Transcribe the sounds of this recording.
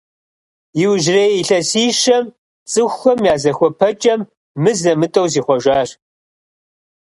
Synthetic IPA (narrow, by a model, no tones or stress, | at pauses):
jɪwʒreːjiɬɐsiːʃɐm | t͡sʼɨxʷxɐmjaːzɐxʷɔpʰɐt͡ʃʼɐmː | ɨzɐmɨtʼɐwziːχʷɔʒaːr